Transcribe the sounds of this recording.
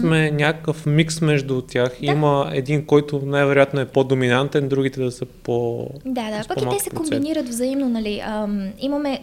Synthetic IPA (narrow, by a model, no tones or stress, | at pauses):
mɛnʲakəkəfmiksmɛʒd̪ʊt̪ʲjaximəɛ̰d̪inkɔjt̪ʊnajvɛɾojat̪noɛpod̪ominant̪ɛnd̪ɾuɡit̪ɛd̪ɐsɤpod̪ad̪apɐkpmalɛksɛpɾkombiniɾət̪vzɐimnonɐliəmimɐmɛ